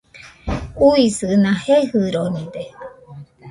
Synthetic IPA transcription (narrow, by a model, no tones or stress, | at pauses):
uisɨnãhehɨɾonĩd̪e